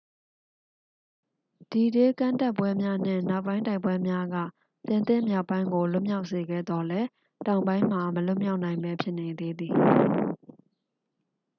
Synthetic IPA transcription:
d̥i˨de˦kã˦˨nta˦˨ʔpːwɛ˦mja˦n̥ɪ̰̃˦˨na˦ʊʔpːã˦ɪ̃nta˦ɪpːwɛ˦mja˦ɡä̰˦˨ | t̪ɪ̃˨nt̪ɪ̰̃˦˨mja˦ʊpːã˦ɪ̃ŋɡo˨lʊ̃˦mja˦ʊʔse˨ɡɛ̰˦˨d̪ɔ˨lɛ˦ | tã˨ʊ̃mbã˦ɪ̃m̥a˨məlʊ˦˨mja˦ʊʔnã˨ɪ̃mbɛ˦pʰjɪ˦ʔne˨d̪e˦d̪ði˨

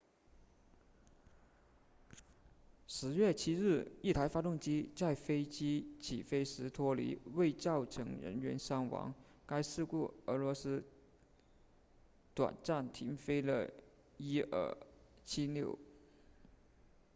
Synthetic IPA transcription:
ʂɻ̩˧˥ɥɛ˥˩t͡ɕʰi˥ɻɻ̩˥˩i˥˩t̪ʰa˧˥ɪfa˥t̪ʊ˥˩ŋt͡ɕi˥t͡sa˥˩ɪfe˥ɪt͡ɕi˥t͡ɕʰi˨˩fe˥ɪʂɻ̩˧˥t̪ʰwɔ˥lḭ˧˥we˥˧ɪt͡sɑ˥˩ʊʈ͡ʂʰɤ˧˥ŋɻə̰˧˥nɥɛ˧˥nsɑ˥ŋwɑ̰˧˥ŋ | ka˥ɪʂ̩˥˧ku˥˩ə˧˥lwɔ˧˥sɹ̩˥ | t̪wa̰˨˩nʈ͡ʂa˥˩nt̪ʰi˧˥ŋfe˥ɪlə̰˧˩ | i˥ə̰˥˩t͡ɕʰi˥ljo˥˩ʊ

